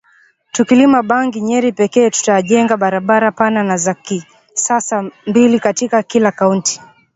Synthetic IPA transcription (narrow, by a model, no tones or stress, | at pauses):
tukilimaɓaŋɡiɲɛɾipɛkɛːtu̥taʄɛŋɡaɓaɾaɓaɾapananazaki | sasambilikatikakilakaunti̥